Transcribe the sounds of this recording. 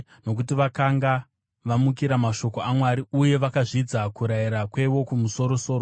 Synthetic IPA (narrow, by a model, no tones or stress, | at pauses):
no̞k̬utiʋakaŋɡa | ʋamukiɾamaʃo̞ko̞amwaɾiuje̞ʋakaʐid͡zakuɾaiɾakwe̞ʋo̞kumuso̞ɾo̞so̞ːɾo